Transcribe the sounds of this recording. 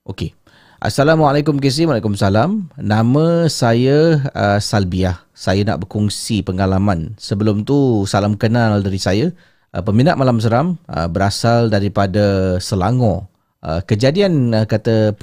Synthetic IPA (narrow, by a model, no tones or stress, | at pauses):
ʔoke | ʔa̰salamwalakʊmkes̬imwalakumsalamnamə̃sajəəsalbiah | sajana̰ʔbərkuŋsipəŋalamansəbəlʊmt̪usalamkənaldaɾisajə | ʔə̰pəminaʔmalams̬əɾamə̰bəɾasaldaɾipadasəlaŋɔ̃ | ə̰kəd͡ʒadianəkat̪ə